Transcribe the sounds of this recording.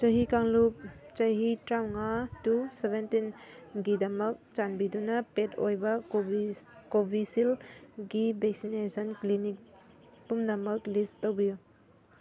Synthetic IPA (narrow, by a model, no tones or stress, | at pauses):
t͡ʃɐɦikaŋlup̚t͡ʃɐɦitɾawŋatusebʱentinɡidɐmɐk̚t͡ʃanbidunɐpetojbɐikobʱisilɡibek̚sinesʰɐnklinik̚ | pumdɐmɐk̚listtowbiju